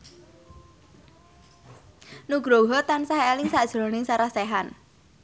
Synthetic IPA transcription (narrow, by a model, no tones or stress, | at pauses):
nuɡ̥ɾɔɦɔt̪ansaɦeːlɪŋsaʔd̥ʒ̥ɾonɪŋsaɾahseɦan